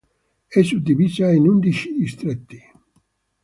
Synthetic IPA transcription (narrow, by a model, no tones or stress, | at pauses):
esut̪iβisainund̪iʃiːst̪ɾet̪ːi